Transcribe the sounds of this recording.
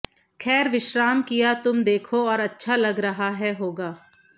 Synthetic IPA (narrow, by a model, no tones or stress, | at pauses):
kʰɛːɾʋɪʃɾaːmkijat̪ʊmd̪eːkʰoɔːɾɐtːʃʰalɐɡɾɐɦaɦɛɦoːɡaː